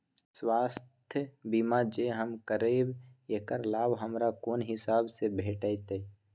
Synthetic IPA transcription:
swaːst̪ʰjəbimad͡ʒeɦəmkəɾeːbjekəɾlaːbɦəmɾakoːnɦɪsaːbsebʱeːʈəjt̪e

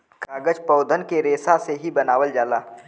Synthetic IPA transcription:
kaːɡəd͡ʒpɔːd̪ʱənkeɾeːsaseɦibɐnaːʋəld͡ʒaːlaː

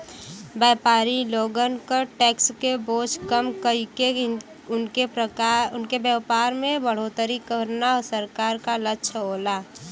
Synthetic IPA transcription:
baːpaːɾiloːɡənkəʈɛːkskeboːt͡ʃkəmkəɦike | ʊnkeəʊnkebjəpaːɾmẽbəɽ̤ot̪əɾikəɾnaɔsəɾkaːɾkalətːʃʰɦoːlaː

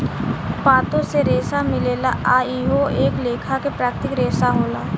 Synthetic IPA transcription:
paːt̪õseɾeːsamɪleːlaʔaːiɦoeːkleːkʰakepɾaːkt̪ɪkɾeːsaɦoːlaː

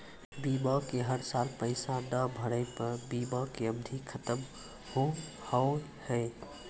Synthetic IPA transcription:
bibəkeɦəɾsalpəɪsaɖ̪əbʱəɽəɪpəɾbibəkeəbd̪ʱikʰət̪əm | hõ | hə | hɛ

